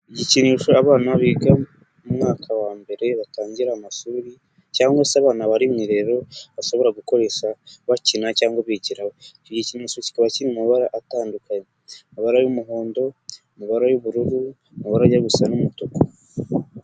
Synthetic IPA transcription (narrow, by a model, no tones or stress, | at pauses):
iɟiciniːʃoaβaːnaβiɡa | umŋaːkʰawaːmbe̞ɾe̞βataːɲɟiɾaːmaʃuɾi | caːŋɡasaβaːnaβaɾimŋiɾe̞ɾo̞βaʃo̞βo̞ɾaɡuko̞ɾe̞ʃaβacinacaːŋɡaβiɟiɾahoiɟiciniːʃoci̥kaβaciniumuβaɾaʔataːndukaɲeumuβaɾajumuɦoːndo̞umuβaɾajuβuɾuɾu | muβaɾaɟaβusanumutoko̥